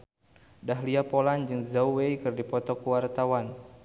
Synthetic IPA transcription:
daɦliapoland͡ʒɨŋzauwejkɨrdipɔt̪ɔkuwart̪awan

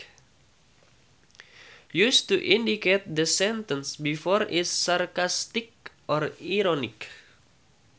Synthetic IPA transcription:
just̪uʔĩndiket̪̚d̪əsɛnt̪ənsbifɔɾʔɪssarkast̪ɪk̚ʔɔɾiɾɔnɪk

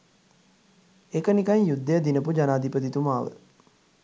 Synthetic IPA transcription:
ekənikaɲjud̪ːəjəd̪inəpud͡ʒanaːd̪ipət̪it̪umaːʋə̰

